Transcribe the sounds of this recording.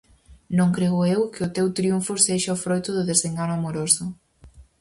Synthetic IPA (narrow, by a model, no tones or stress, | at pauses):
nõŋkɾeɣʊewkɪʊt̪ewt̪ɾiuɱfʊseʃaofɾojt̪ʊðʊðezeŋɡanʊamoɾosʊ